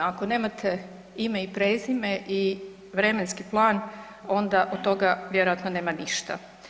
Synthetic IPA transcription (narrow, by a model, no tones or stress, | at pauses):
akone̞ːmat̪ʰe | ime̞ipɾeːzimeʔi | ʋɾe̞me̞nskiplˠaːn | o̞nd̪aʔod̪̚t̪ːo̞ɡaʋje̞ɾojat̪none̞ːmaniʃt̪a̰